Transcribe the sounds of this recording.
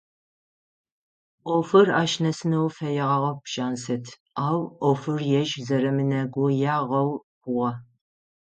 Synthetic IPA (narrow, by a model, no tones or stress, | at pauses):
ʔʷofɨraːʃnɐsɨnɐwfɐjɛʁɐʁɐpʃaːnsɨtʰ | aːwʔofɨrjɛʒzɐɾɐmɨnɐɡʷʊjaːʁɐwkʷʊʁɐ